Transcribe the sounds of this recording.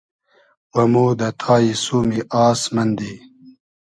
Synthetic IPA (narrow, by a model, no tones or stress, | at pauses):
wɐmoːd̪ɐt̪ʰɑːjisuːmiʔɑːsmɐnd̪i